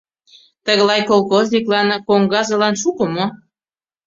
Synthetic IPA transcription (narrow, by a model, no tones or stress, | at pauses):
t̪əɣəlɑjkolˠkozʲnʲiklɑnkoŋɡɑzɤ̆lɑnʃukəmo